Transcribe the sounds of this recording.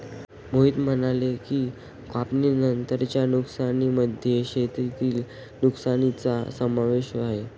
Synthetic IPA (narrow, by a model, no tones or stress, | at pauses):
moɦit̪m̤ənalekiː | kapninənt̪əɾt͡ɕjanuksaniməd̪ʱjeɕet̪ɾit̪iːl | nuksanit͡sasəmaʋeɕʋaɦe